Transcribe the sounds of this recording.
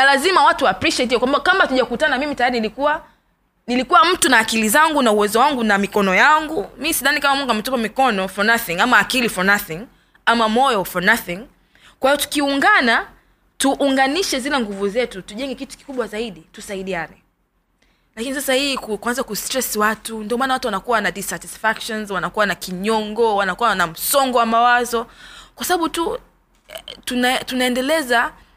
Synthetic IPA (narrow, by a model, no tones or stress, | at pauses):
nalazimawatuapɾiʃɛtiɔkwambakamatuʄakutanamimitajaɾinilikuwa | nilikuwam̩tunaːkilizaŋɡunauwɛzɔwaŋɡunamikɔnɔjaŋɡumisiðanikamamuŋɡamɛtɔpamikɔnɔfɔnaθĩŋamaːkilifɔnaθiŋ | amamɔjɔfɔnaθĩŋ | kwahijɔtu̥kiuŋɡana | tuʔːŋɡaniʃɛzilɛŋɡuvuzɛtutuʄɛŋɡɛkitu̥ki̥kuɓwazaiɗitusaiɗianɛ | lakinisasahikukwanzakustɾɛswatundiɔmaːnawatuwanakuwanaɗisatisfakʃɔnzwanakuwanakiɲɔŋɡɔwanakuwanam̩sɔŋɡɔwamawazɔkwasaɓaɓutu | tunatunaɛndɛlɛza